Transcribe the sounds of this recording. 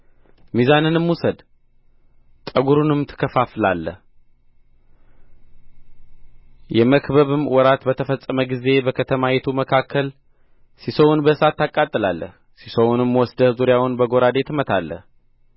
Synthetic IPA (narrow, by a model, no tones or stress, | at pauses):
mizanɨnɨmwusəd̪ | t̪ʼəɡuɾunɨmt̪ʰɨ̥kʰːəfaflalːə̰h | jɛməkbəβɨmwɔɾat̪bət̪ʰəfəsʼːəməɡize̞bəkʰət̪ʰəmajɛt̪ʰuməkʰakʰːəl | sisəwʊnbəsat̪ːakʼːat̪ʼːɨlalːə̰h | sisəwnɨmːwɔsd̪əzuɾjawʊnbəɡo̞ɾad̪e̞t̪mət̪ʰalːə̰h